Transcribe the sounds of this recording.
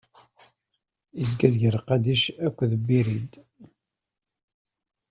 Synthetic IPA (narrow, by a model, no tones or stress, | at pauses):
izɡæðʝəɾqɑd̪iʃækʷːðəbiɾid̪